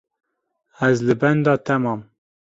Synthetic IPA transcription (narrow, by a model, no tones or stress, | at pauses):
æzlɨbænd̪ɑːt̪ʰæmɑːm